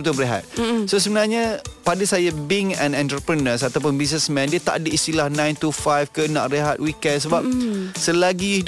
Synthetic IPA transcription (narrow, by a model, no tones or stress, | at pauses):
ət̪ubɾeɦa̰t̪̚sos̬əbənarɲãpadəsajabiŋɛ̃nɛ̃nt̪ɾəpɾənəs̬at̪awp̬ʊnbis̬nɛsmɛ̃ndiət̪aʔadəist̪ilahnãjnt̪ufajfkənã̰ʔreɦat̪̚wikɛ̃nsəbap̚səlaɡii